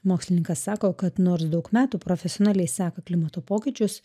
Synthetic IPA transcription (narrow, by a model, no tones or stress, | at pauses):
moːksʲlʲɪnʲɪŋkɐsːɑːkoːkɐt̪noːɾsd̪ɒʊkmʲæːt̪uːpɾɔfʲɛsʲɪɔnɑːlʲɛɪsʲæːkɐklʲɪmɐt̪oːpoːkʲɪt͡ʃʲʊs